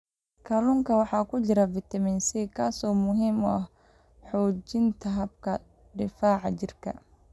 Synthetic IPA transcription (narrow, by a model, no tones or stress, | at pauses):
kʰɐlʊŋkʰɐwɑħɑːkʰʊt͡ʃɪɾɐvɪt̪ʰɐmɪnsiːkʰaːsɔːmʊɦiːmʊɐh | ħɔːt͡ʃɪnt̪ʰɐɦɐbkʰɐ | ɖɪfaːʕɑt͡ʃɪrkʰɐ̰